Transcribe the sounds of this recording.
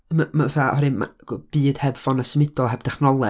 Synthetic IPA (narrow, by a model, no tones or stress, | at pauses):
mamauθaʔɔhɔɾɨma̰ɡb̥ɨːd̥hɛbvɔnasəmɪdɔlˠɛb̚d̥ɛχnɔlˠɛ